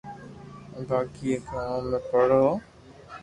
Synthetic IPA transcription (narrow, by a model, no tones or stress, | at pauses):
baːkiekʰamẽpəɽ̤oː